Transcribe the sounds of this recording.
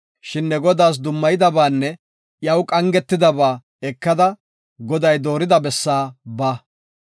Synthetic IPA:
ʃɪnːɛɡɔd̪aːs̬d̪ʊmːɐjɪd̪ɐbaːnːɛ | jɐwkʼɐŋɡɛt̪ːɪd̪ɐbaː | ɛkːɐd̪ɐ | ɡɔd̪ɐjd̪o̞ːɾɪd̪ɐbɛsːaːbaː

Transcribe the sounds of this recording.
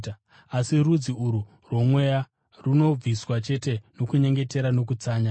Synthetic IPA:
asirud͡ziuɾu | rwo̞mwe̞ja | runo̞b͡viswat͡ʃe̞te̞no̞kuɲe̞ŋɡe̞te̞ɾano̞k̬ut͡saːɲa

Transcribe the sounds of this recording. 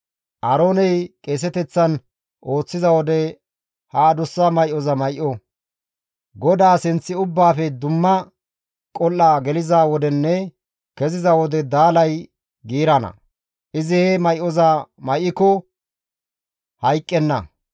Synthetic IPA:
ʔɐɾo̞ːnɛjkʼeːs̬ɛt̪ɛt͡sːɐn | ʔo̞ːt͡sːɪzɐwɔd̪ɛ | haːd̪ʊsːɐmɐjʔɔzɐmɐjʔɔ | ɡɔd̪aːsɪnt͡sːɪʊbːaːfɛd̪ʊmːɐ | kʼɔlːaːɡɛlɪzaːwɔd̪ɛnːɛ | kɛzɪzɐwɔd̪ɛd̪aːlɐj | ɡiːɾɐnɐ̰ | ʔɪzɪhɛmɐjʔɔzɐmɐjʔːɪkɔ | hɐjkʼːɛnːɐ̰

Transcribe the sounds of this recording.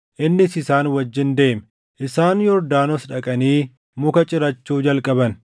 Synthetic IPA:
ʔɪnːɪsɪsaːnwɐd͡ʒːɪnd̪e̞ːmɛ | ʔɪsaːnjɔɾd̪aːnɔsᶑɐkʼɐniː | mʊkɐt͡ʃʼɪɾɐt͡ʃːuːd͡ʒɐlkʼɐbɐn

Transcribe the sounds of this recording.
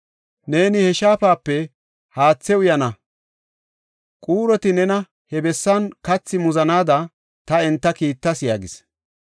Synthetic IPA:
ne̞ːnɪhɛʃaːpaːpːɛ | haːt͡sːɛwʊjɐnɐ | kʼuːɾɔt̪ɪnɛnɐ | hɛbɛsːɐnkɐt͡sːɪmʊzɐnaːd̪ɐ | t̪ɐɛnt̪ːɐkiːt̪ːɐsɪja̰ːɡɪs

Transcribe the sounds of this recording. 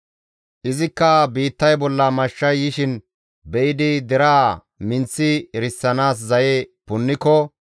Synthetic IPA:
ʔɪzɪkːɐbiːt̪ːɐjbɔlːɐmɐʃːɐjːɪʃɪn | bɛʔɪd̪ɪd̪ɛɾaː | mɪnt͡sːɪɾɪsːɐnaːs̬zɐjepʊnːɪkɔ

